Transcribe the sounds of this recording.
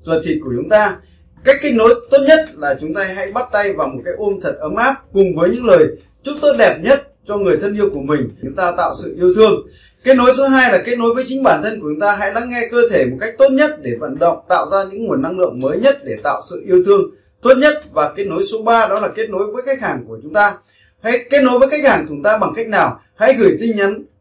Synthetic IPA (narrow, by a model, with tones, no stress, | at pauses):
zwə˨˩t̪ʰi˨˩t̚ku˧˩t͡ɕʊ˨˦ŋ͡mt̪aː˧ | ka˦˥jk̟kːi˦˥k̚no˨˦jt̪o˦˥t̚ɲə˦˥t̚laː˨˩t͡ɕʊ˨˦ŋ͡mt̪aː˧ɦa̰˧˥jɓa˦˥t̚t̪a˧jvaː˨˩wmo˨˩t̚kaː˨˦jʔo˧nt̪ʰə˨˩t̚ʔə˨˦mʔaː˦˥p̚kʊ˨˩ŋ͡mvəː˨˦jɲɨ̰˧˥ŋləː˨˩j | t͡ɕʊ˦˥t̪o˨˦˥t̚ɗɛ˨˩p̚ɲə˦˥t̚ | t͡ɕɔ˧ŋɨ˨˩əjt̪ʰə˧nʔi˧əwku˧˩əmï˨˩ŋ̟ʊ̰˨˧˥ŋ͡mt̪aː˧t̪a̰ː˧˨wsɨ̰˧˨ʔi˧əwt̪ʰɨ˧əŋ | ke˦˥t̚no˨˦jso˨˦ɦaː˧jlaː˨˩ke˦˥t̚no˨˦jvəː˨˦jt͡ɕï˨˦ŋ̟ɓaː˧˩nt̪ʰə˧nkət͡ɕʊ˨˦ŋ͡mt̪aː˧ɦa̰˧˥jɗaː˧ŋːɛ˧kəː˧t̪ʰe˧˩mo˨˩t̚ka˦˥jk̚t̪o˦˥t̚ɲə˦˥t̚ɗe˧˩və̰˧˥nɗə̰˧˨wŋ͡mt̪a̰ː˧˨wzaː˧ɲɨ̰˧˥ŋŋu˨˩ənːa˧ŋlɨ̰˧˨əŋməː˨˦jɲə˦˥t̚ɗe˧˩t̪a̰ː˧˨wsɨ̰˧˨ʔi˧əwt̪ʰɨ˧əŋ | t̪o˦˥t̚ɲə˦˥t̚vaː˨˩ke˦˥t̚no˨˦jso˨˦ɓaː˧ɗɔ˨˦laː˨˩ke˦˥t̚no˨˦jvəː˨˦jka˦˥k̚haː˨˩ŋku˧˩ət͡ɕʊ˨˦ŋ͡mt̪aː˧ | ha˧˥jke˦˥t̚no˨˦jvəː˨˦jka˦˥jk̚haː˨˩ŋt̪ʊ˦ŋ͡mt̪aː˧ɓa˨˩ŋka˦˥jk̟̚naː˨˩w | ha̰˧˥jɣɨ˧˩jt̪ï˧ŋɲa˨˦n